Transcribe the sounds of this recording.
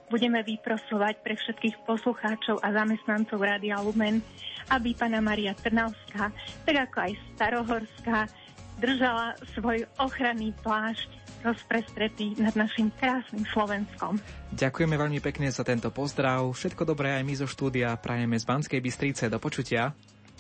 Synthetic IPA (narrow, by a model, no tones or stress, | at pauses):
buɟɛmɛʋipɾɔsɔʋacpɾɛfʃɛt̪kiːxpɔsluxaːt͡ʃɔʊʔazamɛst̪nant͡sɔʊɾaːd̪ialumɛnʔabipaːnamaɾiat̪r̩naʊskaːt̪aɡakɔajst̪aɾɔɦɔɾska | d̪r̩ʒalasʋɔjɔxɾaniːplaːʃc | d̪ɔspɾɛst̪ɾɛt̪inad̪naʃimkɾaːsnimslɔʋɛnskɔmɟakujɛmɛʋɛʎmipɛkɲɛzat̪ɛnt̪ɔpɔzd̪ɾaʊfʃɛt̪kɔd̪ɔbɾɛːajmizɔʃt̪uːd̪iapɾʔajɛmɛzbanskɛjbist̪ɾit͡sɛd̪ɔpɔt͡ʃucɪa